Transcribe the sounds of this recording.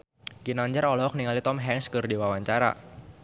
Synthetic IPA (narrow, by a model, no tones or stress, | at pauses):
ɡinaɲd͡ʒaɾɔlɔɔk̚niŋalit̪ɔmɦɛŋskərdiwawaɲt͡ʃaɾa̰